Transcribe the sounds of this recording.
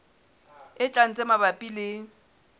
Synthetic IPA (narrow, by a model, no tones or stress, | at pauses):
ɪt͡ɬʼan̩t͡sʼɛmabapʼilɪ